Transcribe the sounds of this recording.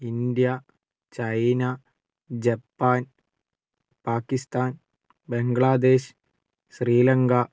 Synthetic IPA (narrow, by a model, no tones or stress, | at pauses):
ind̪jɐ | t͡ɕɐjna | d͡ʑɐpːaːn | paːkːist̪aːn | beŋɡɭaːd̪e̞ːɕ | ɕriːlɐŋɡɐ